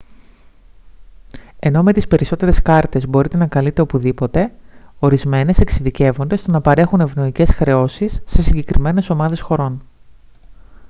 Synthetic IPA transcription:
e̞no̞me̞t̪ispe̞ɾiso̞t̪e̞ɾe̞skɐɾt̪e̞zbo̞ɾit̪enɐkɐlit̪e̞o̞puðipo̞t̪e̞o̞ɾizme̞ne̞se̞ksiðice̞vo̞nd̪e̞st̪o̞nɐpɐɾe̞xune̞vno̞ice̞sxɾe̞o̞sisːe̞siɲɟe̞kɾime̞ne̞so̞mɐðe̞sxo̞ɾo̞n

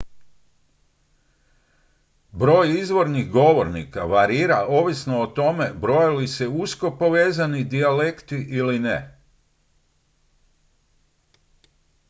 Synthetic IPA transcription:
bɾo̞ːjizʋo̞ɾnixɡo̞ʋo̞ɾnikaʋaɾiːɾaʔo̞ʋisnoːt̪o̞me̞bɾo̞jalise̞usko̞po̞ʋe̞ːzanid̪iale̞kt̪iʔiline

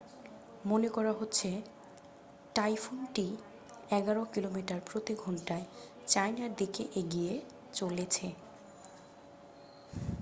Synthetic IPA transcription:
monekɔɾaɦotːɕʰe | ʈajfunʈi | ɛɡaɾokilomiʈaɾpɾot̪iɡʱɔɳʈae | t͡ɕajnaɾd̪ikeʔeɡije | t͡ɕolet͡ɕʰe

